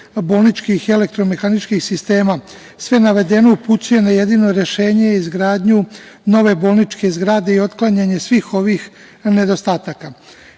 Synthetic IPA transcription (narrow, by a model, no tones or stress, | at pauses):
bo̞lˠnit͡ʃkixe̞le̞k̚t̪ɾo̞mexanit͡ʃkixsist̪e̞ːma | sʋe̞naʋe̞d̪e̞no̞uput͡s̪uje̞naje̞d̪ino̞ɾe̞ʃe̞ːɲeizɡɾaːd̪ɲu | no̞ʋe̞bo̞ːlˠnit͡ʃke̞zɡɾaːd̪e̞io̞t̪klˠaɲaɲe̞sʋiːxo̞ʋix | ne̞d̪o̞st̪aːt̪aka